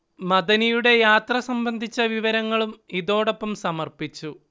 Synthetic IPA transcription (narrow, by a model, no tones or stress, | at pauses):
mɐðɐnijuɽe̞jaːt̪rɐsɐmbɐnd̪ʱit͡ɕːɐʋiʋɐɾɐŋːɐɭumiðo̞ːɽo̞pːɐmsɐmɐrpit͡ɕːu